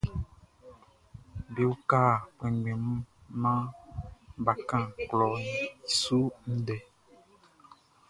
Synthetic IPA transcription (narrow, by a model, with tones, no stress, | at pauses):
be˨wu˦ka˦˨k͡pɛ̃˨ɡ͡bɛ̃˨mũ˦nã˦ | ba˨kã˦klɔ˨ĩ˦˨su˦ŋũ˦ɖɛ˨